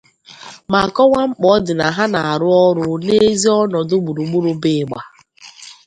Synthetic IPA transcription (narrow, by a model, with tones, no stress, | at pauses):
ma˨kɔ˦wʷa˦ŋ͡m̩˦k͡pɔ˨˦dɪ˨na˨ɦa˦na˨a˨ɾʊ˦ɔ˦ɾʊ˦ne˦zi˦ɔ˦nɔ˨dʊ˦ɡ͡bu˨ɾu˨ɡ͡bu˦ɾu˦bɪ˨ɡ͡ba˨